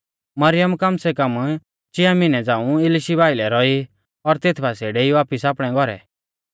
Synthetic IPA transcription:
mɐɾɪjəmkamsɛkam | t͡ʃɪamɪnɛd͡zãːũɪlɪʃibaːɪlɛɾɔi | ɔɾt̪eːt̪ʰbaseːɽɛiʋaːpisaːpɽ̃ɛ̃ɡɔɾɛ̰

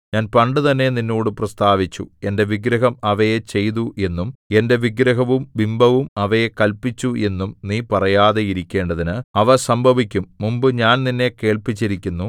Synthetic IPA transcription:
ɲaːnpɐɳɖɨt̪ɐnːe̞ninːoːɽɨprɐst̪aːʋit͡ɕːṵe̞nde̞ʋiɡɾɐɦɐmɐʋɐjet͡ɕe̞jðuʔe̞nːume̞nde̞ʋiɡɾɐɦɐʋumʋimbʱɐʋumɐʋɐjekɐlpit͡ɕːue̞nːumniːpɐrɐjaːðe̞iɾikʲːe̞ːɳɖɐðinɨɐʋɐsɐmbʱɐʋikʲːumːumbɨɲaːnninːe̞ke̞ːɭpit͡ɕːiɾikʲːunːu

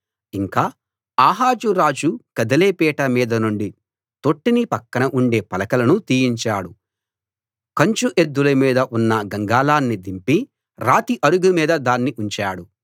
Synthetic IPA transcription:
iŋkaː | aːɦaːd͡ʒuɾaːd͡ʒukɐd̪ɐleːpɛːʈɐmiːd̪ɐnuɳɖi | t̪o̞ʈːinipɐkːɐnɐʔuɳɖe̞ːpɐlɐkɐlɐnut̪iːjiɲt͡ʃaːɽu | kɐɲt͡ʃuʔe̞d̪ːulɐmiːd̪ɐʔunːɐɡɐŋɡaːlaːnːid̪impi | ɾaːt̪iʔɐɽuɡumiːd̪ɐd̪aːnːiʔuɲt͡ʃaːɽu

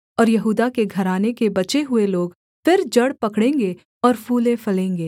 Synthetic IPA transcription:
ɔːɾjɐɦuːd̪akeɡʱɐɾaːnekebɐt͡ʃeɦʊeloːɡ | fɪɾd͡ʒɐɽpɐkɽẽːŋɡe | ɔːɾfuːlẽfɐlẽːŋɡeː

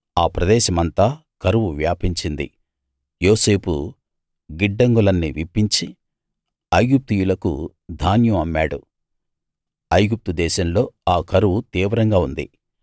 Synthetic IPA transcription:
aːpɾɐd̪ɛːʃɐmɐnt̪aːkɐɾuʋuʋjaːpiɲt͡ʃind̪ḭ | jo̞ːse̞ːpṵ | ɡiɖːɐŋɡulɐnːiʋipːiɲt͡ʃi | ɐjɡup̚t̪ujulɐkṵ | d̪ʱaːnjuɐmːaːɽṵ | ɐjɡup̚t̪ud̪ɛːʃɐmlo̞ːaːkɐɾuwut̪iːʋɐɾɐŋɡaːund̪ḭ

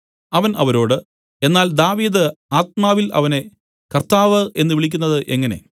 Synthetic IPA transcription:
ɐʋɐnɐʋɐɾo̞ːɽɨ | e̞nːaːld̪aːʋiːd̪ɨaːt̪̚maːʋilɐ̰ʋɐne̞ | kɐrt̪aːʋɨʔe̞nːɨʋiɭikʲːunːɐðɨʔe̞ŋːɐne̞̰

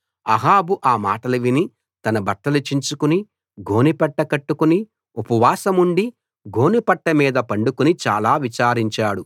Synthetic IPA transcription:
ɐɦaːbuʔaːma̰ːʈɐlɐʋini | t̪ɐnɐbɐt̪ːɐlut͡ʃiɲt͡ʃukuni | ɡo̞ːnipɛʈːɐkɐʈːukuni | upɐʋaːsɐmuɳɖi | ɡo̞ːnipɐʈːɐmiːd̪ɐpɐɳɖukunit͡ʃaːlaːʋit͡ʃaːɾiɲt͡ʃaːɽu

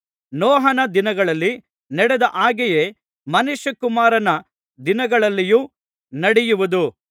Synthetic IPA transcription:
nɔːɦɐnɐd̪inɐɡɐɭɐlːi | nɛɽɛd̪ɐʔaːɡɛje̞ | mɐnuʃjɐkumaːɾɐnɐ | d̪inɐɡɐɭɐlːijuː | nɐɽɛjuʋud̪u

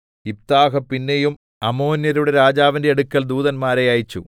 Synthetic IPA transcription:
ip̚t̪aːɦɐpːinːejum | ɐmo̞ːnjɐɾuɽe̞ɾaːd͡ʑaːʋinde̞ɐɽukːɐld̪uːðɐnmaːɾejaːjit͡ɕːṵ

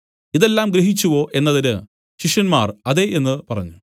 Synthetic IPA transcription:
iðe̞lːaːmɡɾeɦit͡ɕːuʋo̞ʔe̞nːɐðinɨ | ɕiʂɐnmaːrɐðe̞ʔenːɨpɐrɐ̰ɲːu

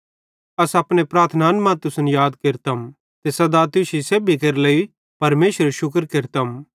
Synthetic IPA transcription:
ɐsɐpñepɾaːɾt̪ʰnaːnmãt̪ʊsənjaːd̪kɪɾt̪ɐm | t̪esɐd̪at̪ʊʃiseːbikɐɾlei | pɐɾmeːʃəɾeʃʊkɾkɪɾt̪ɐm

